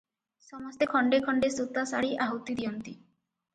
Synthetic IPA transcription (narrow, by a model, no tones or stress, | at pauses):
sɔmɔst̪ekʰɔɳɖekʰɔɳɖesut̪asaɽiʔaɦɔwt̪id̪iɔnt̪i